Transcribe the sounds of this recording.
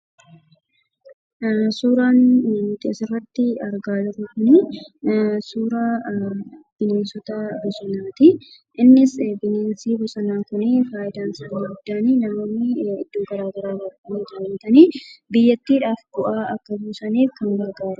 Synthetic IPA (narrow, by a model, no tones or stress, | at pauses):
suːɾaːnt̪eːsɪrːɐt̪ːɪɐɾɡaːlʊɾɐkʊnɛ | suːɾa | b̥ɪneːnsɔt̪ɐbʊsʼɪnaːt̪ɪ | ʔɪnːɪsbɪneːnsiːbʊsʼɐnaːkʊnɛfaːjɪd̪aːnsaːniːɡʊd̪ːaːniːnaːmɐmːɪɪ̰d̪ːoːɡɐɾaːɡɐɾaːɡɐɾmɐt̪aːlɐnt̪ɐniːbɪjːɐt̪ːiːᶑaːfbʊʔaːɐkːɐbuːsɐniːfkɐŋɡɐɾɡaːɾʊ